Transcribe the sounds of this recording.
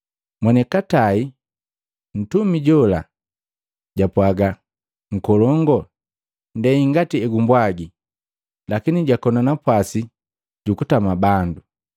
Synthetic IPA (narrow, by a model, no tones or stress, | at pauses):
mwɛnɛkatai | n̩tumiɟɔla̰ | ɟapwaɡa | ŋ̩kɔlɔŋɡɔ | ndɛiŋɡatiɛɡumbwaɡi | lakiniɟakɔnanapwasi | ɟukutamabandu